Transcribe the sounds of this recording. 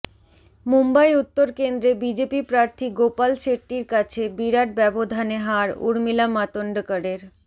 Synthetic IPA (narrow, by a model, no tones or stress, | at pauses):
mumbajut̪ːoɾkend̪ɾebid͡ʑepipɾaɾt̪ʰiɡopalʃeʈiɾkat͡ɕʰebiɾaʈ̚bɛbod̪ʱaneɦaɾṵɾmilamat̪oɳɖəkəɖeɾ